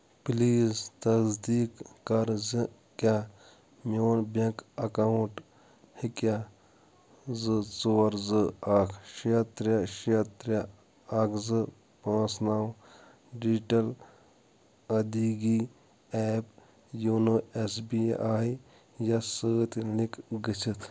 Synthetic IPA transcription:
pliːzt̪ɐsd̪iːkːɐɾzi | kʲa | mʲoːnbɐ̃kɐkauɳʈ | hikja | zɨt͡soːɐɾzɨakʰʃiɐt̪ɾɐʃiɐt̪ɾʲa | ɐkʰzɨ | pãːsnaw | ɖid͡ʒʈɐl | ɐd̪iɡi | ɛːp | junoesbiʔaːj | jɐsəːt̪ilikɡit͡ʃʰit̪ʰ

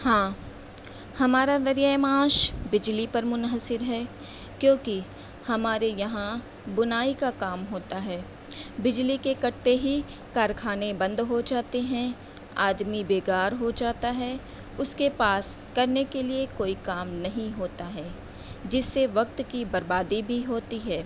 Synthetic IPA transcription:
hãː | hɐmaːɾad̪ɐɾijaemãːʃbɪd͡ʒlipɐɾmʊnɦəsɪɾɦɛː | kjõːki | hɐmaːɾejɐɦã | bʊnaːikakaːmɦoːt̪aɦɛː | bɪd͡ʒlikekɐɽt̪eɦi | kaːɾkʰaːnebɐ̃nd̪ɦod͡ʒaːt̪eɦɛ̃ | a̰ːd̪mibeːɡaːɾɦod͡ʒaːt̪aɦɛ | ʊskepaːskɐɾnekeliekoːikaːmnɐɦĩɦoːt̪aɦɛː | d͡ʒɪsːeʋɐk̚t̪kibɐɾbaːd̪ibʱiɦoːt̪iɦɛː

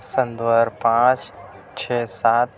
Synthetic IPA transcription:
sə̃nd̪wəɾpãːt͡ʃ | t͡ʃʰeːsaːt̪̚

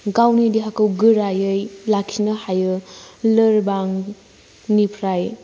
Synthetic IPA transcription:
ɡawnidiɦakɯwɡɯɾajɯjlakʰinɐhajɯləɾbaŋ | nipʰɾaj

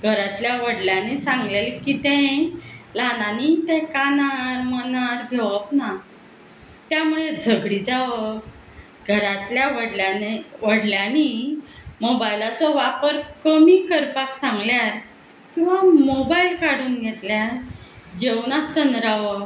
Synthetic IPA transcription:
ɡʱəɾat̪ljaʋəɽljãnisãŋɡlelkit̪ɛ̃ | lananit̪ɛ̃kanaɾmənaɾɡʱeʋəpna | t̪jamuɭed͡zʱəɡɽid͡zaʋə | ɡʱəɾat̪ljaʋəɽljaneʋəɽljani | mobajlat͡sɔʋapəɾkəmikəɾpaksãŋɡljaɾ | kĩw̃ʋamobailkaɽuːnɡʱɛt̪ljaɾd͡ʑewnast̪ənɾaʋə

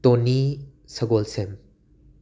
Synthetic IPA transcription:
toni | sɐɡolsem

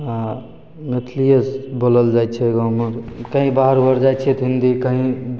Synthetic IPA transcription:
ɦã | met̪ʰlijəsboləld͡ʒaj̪̚t͡ʃʰɛɡɔməɾkəɦĩbaɦəɾbəɾd͡ʒajt͡ʃʰɛt̪ɦind̪ikəɦĩ

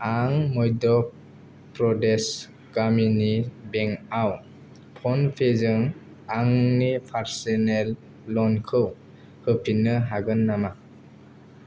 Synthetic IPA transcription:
aŋmɔjdɔ | pɾɔdes | ɡ̥aminibeŋaw | pʰɔnpʰezɯŋ | aŋnipʰaɾsenelː | ɔnkʰɯw | hɯpʰinːɯɦaɡɯnːama

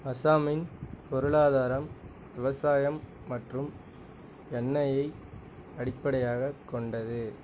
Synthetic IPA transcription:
ɐsaːmɪnpɔɾɯɭaːðaːɾɐm | ʋɪʋɐsaːjɐmː | ɐʈrɯm | ɛnːɐjɐɪ | ɐɽɪpːɐɽɐjaːɣɐkːɔɳɖɐðɯ

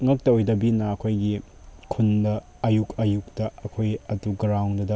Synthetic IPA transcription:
ŋɐk̚tɐojdɐbinɐɐkʰojɡi | kʰundɐː | jukɐjuk̚tɐɐkʰojɐtuɡɾawŋdɐdɐ

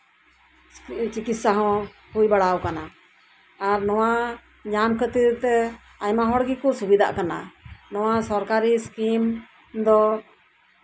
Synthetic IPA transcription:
t͡ʃikit̪saɦɔ̃ | hujbaɽawkana | aɾnɔwa | ɲamkət̪ət̪ɛ | ajmaɦɔɽɡikɔsubid̪ʱa̰ʔkana̰nɔwasɔɾkaɾiskim | d̪ɔ

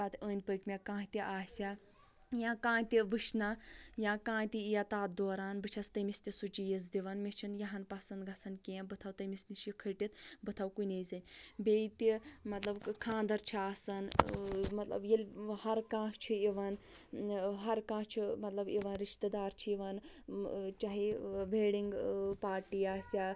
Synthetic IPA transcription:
aːt̪əːnʲpəːkʲmʲekãːt̪iʔaːsʲa | jãːkãːnt̪iʋɨʃnɐjãːkãːt̪ʲiijɐt̪aːt̪̚d̪oːɾaːnbɨt͡ʃʰɐst̪ɐmist̪isut͡ʃijis̬d̪iʋɐnmet͡ʃʰinjɐɦɐnpɐsɐnd̪ɡɐsɐnkẽːbɨt̪ʰɐwt̪ɐmisniʃikʰɐʈʲit̪bɨt̪ʰɐwkunʲezɐnʲbet̪imɐt̪lɐbkʰãːnd̪ɐɾt͡ʃʰiaːsɐnmɐt̪lɐ̰bjelʲhɐɾkãːʃt͡ʃʰiiʋɐn | ɦɐɾkãːt͡ʃʰimɐt̪lɐbiʋɐnɾiʃt̪ɐd̪aːɾt͡ʃʰiiʋɐn | t͡ʃaɦiʋeːɽiŋɡpaːɾʈiːaːsa

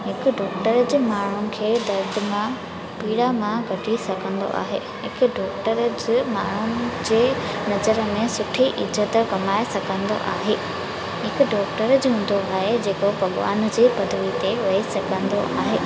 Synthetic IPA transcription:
ɦɪkʊ̆ɖɔːk̚ʈəɾəd͡ʑmaːɳ̤ʊnɪ̆kʰeːd̪ɐɾd̪ɪmã | piːɽamãɡʱɐʈʰisɐɡʰʱə̃nd̪o̰ʔa̰ːɦḛːɦɪkʊ̆ɖɔːk̚ʈəɾəd͡ʑɪmaːɳ̤ʊnɪ̆d͡ʑeːnɐzəɾmẽsʊʈʰiʔɪzət̪kɐmaːesɐɡə̃nd̪o̰ʔa̰ːɦeː | ɦɪkʊ̆ɖɔːkʈəɾəd͡ʑɦũːn̆d̪oaːɦed͡ʑeːkopɐɠʋa̰ːnd͡ʑiːpɐd̪ʱʋit̪eʋɐisɐɡʰʱə̃nd̪oʔa̰ːɦeː

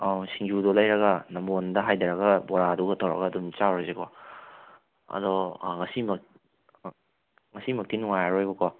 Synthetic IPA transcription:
asiŋd͡ʒudɔlɐjɾɐɡɐnɐmbondɐɦajdɐɾɐɡɐbɔɾaduɡɐtʰɐwɾɐ̰ɡɐːdumt͡ʃawɾɐzekɔ | ɐ̰dɔŋɐsimɐk | ŋɐsimɐk̚tinuŋajaɾojbɐkɔ

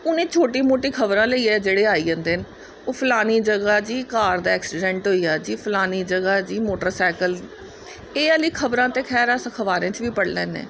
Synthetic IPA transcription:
ʊnẽːt͡ʃʰoːʈiːmoːʈiːkʰəbɾãːləiːɛːd͡ʒeːɽeːaːiːə̃nd̪eːn | oːpʰəlaːniːd͡ʒəɡaːd͡ʒiːkaːɾd̪aːɛːksɪɖɛ̃ɳʈɦoːiːaːd͡ʒiːpʰəlaːniːd͡ʒəɡaːd͡ʒiːmoːʈəɾsɛːkəl | eːəliːkʰəbɾãːt̪eːkʰɛːɾasəkʰəʋaːɾẽːt͡ʃʋiːpəɽlɛ̰ːnḛː

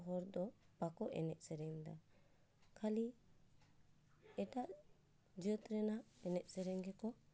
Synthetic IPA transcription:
ɦɔɾd̪ɔpakɔʔɛ̰nɛʔ̪̚sɛɾɛŋd̪a̰ | kʰali | ɛʈaʔ | d͡ʒət̪ɾɛnaɛnɛʔ̪̚ˀsɛɾɛŋɡɛkɔ

